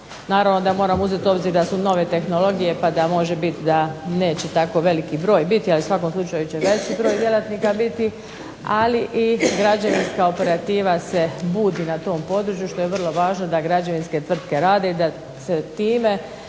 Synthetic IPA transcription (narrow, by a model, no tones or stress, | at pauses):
naːɾaʋno̞d̪amo̞ːɾamuze̞t̪o̞bziːɾd̪asuno̞ʋe̞t̪e̞xno̞lˠo̞ɡije̞pad̪amo̞ʒebit̪d̪ane̞ːt͡ɕe̞t̪ako̞ʋe̞likibɾo̞ːjbit̪ialiusʋako̞mslˠut͡ʃajut͡ɕe̞ʋe̞t͡ɕibɾo̞ːjd̪jelat̪niːkabit̪i | aliʔiɡɾad͡ʑaʋinskao̞pe̞ɾat̪iːʋase̞buːd̪iːnat̪o̞ːmpo̞d̪ɾut͡ɕjuʃt̪o̞jeʋr̩lˠo̞ʋaːʒno̞d̪aɡɾad͡ʑaʋinske̞t̪ʋr̩t̪ke̞ɾaːd̪e̞id̪a | se̞t̪iːme̞